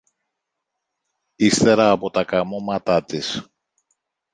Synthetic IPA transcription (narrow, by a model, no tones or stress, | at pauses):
ist̪e̞ɾɐːpo̞t̪ɐkɐmo̞mɐt̪ɐt̪is